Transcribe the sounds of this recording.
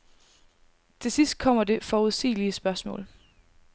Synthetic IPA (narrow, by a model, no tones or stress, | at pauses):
t͡sʰe̝sisd̥̚kʰɒ̽m̰ɐde̝fɒːuðˠsḭːliəsb̥ɶɐsmɔ̰̽ːl